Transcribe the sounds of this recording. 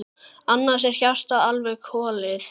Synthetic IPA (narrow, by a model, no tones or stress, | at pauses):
anːḁsɛɾ̥çar̥t̪aalvɛɣkʰɔːlɪθ